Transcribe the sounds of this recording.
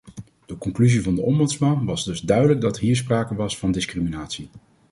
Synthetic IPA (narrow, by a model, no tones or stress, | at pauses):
d̥əkɔŋklyzivɑndəʔɔmbɵtsmɑnʋɑzdɵzdœɥdələɡ̚dɑtɦiːɹs̬praːkəʋɑsfɑndɪskriminaːtsi